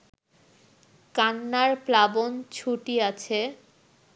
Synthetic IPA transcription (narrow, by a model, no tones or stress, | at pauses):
kanːaɾplabont͡ɕʰuʈiat͡ɕʰe